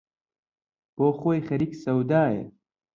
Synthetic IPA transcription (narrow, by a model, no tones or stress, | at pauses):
poːxoːjxɐɾiksɐwd̪aːḛ